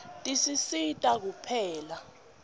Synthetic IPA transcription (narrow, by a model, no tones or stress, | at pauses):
tʼisisitʼak̬upʰɛːla